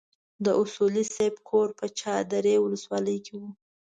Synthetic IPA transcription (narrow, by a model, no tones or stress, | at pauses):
d̪əʔʊsulisebkʰoɾpət͡ʃɑd̪aɾewʊləswɑləjkʰewu